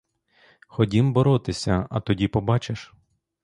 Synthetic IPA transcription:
xɔdʲimbɔɾɔt̪ɪsʲɐɐ̰t̪ɔdʲipɔbɑt͡ʃeʃ

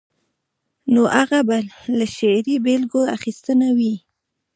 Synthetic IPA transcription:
noʔaɣabalaʃeɾibelɡoa̰xist̪ənawi

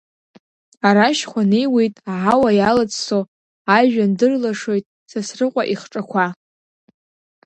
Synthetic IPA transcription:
aɾaʃχʷanejwejtʼaʕawajalat͡sʼso | aʒᶣandɨrlaʂo̞jtʼ | sasrɨqʷʼaʔiχʈ͡ʂʼakʷʰa

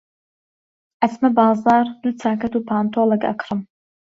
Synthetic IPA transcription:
ʔɐsmɐbɑːzɑːɾd̪ut͡sʰaːkɐt̪uːpʰaːnt̪ʰoːlɐkɐ̰kʰɾɨm

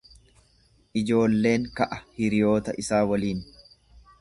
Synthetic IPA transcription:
ʔɪd͡ʒo̞ːlːe̞ːŋkɐʔɐhɪɾɪjo̞ːt̪ɐʔɪsaːwɐliːn

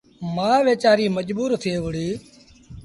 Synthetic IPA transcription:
maːʋeːt͡ʃaːɾiːməʄbuːɾt̪ʰeːʋʊɽiː

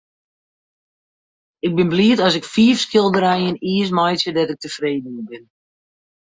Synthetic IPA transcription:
ɪɡ̚bɪnbliətɔsɪkfiːfskɪlˠdəɾɛjəniəs̬majtsjədɔtɪk̚təfreːdən̩ibɪn

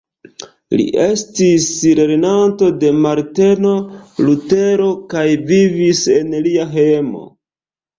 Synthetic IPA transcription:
lḭʔe̞stisɾe̞ɾenanto̞de̞maɾte̞no̞lute̞ɾo̞kajvivise̞nliaɦemo̞̰

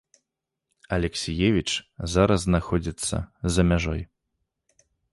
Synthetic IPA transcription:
ɐlʲɛksʲijevʲit͡ʂzaɾɐznaxɔd͡zʲit̪sːɐ̰zɐmʲaʐɔj

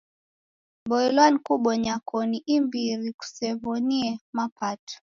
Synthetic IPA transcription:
bɔɛlwanikuɓɔɲakɔniʔimbiɾiku̥sɛβɔniɛmapatɔ̥

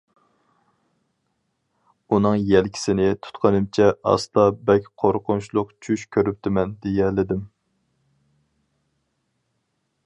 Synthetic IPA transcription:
unɨŋjɛlkʲʰi̥sɪnɪt̪ʰu̥t̪qʰənɨmt͡ʃʰɛʔɑ̰st̪ɑbɛkʲqʰoɾqʊnʃlˠʊqt͡ʃʰyʃkʲʰøɾyp̚t̪ɪmɛnd̪ejɛlɪd̪ɪm

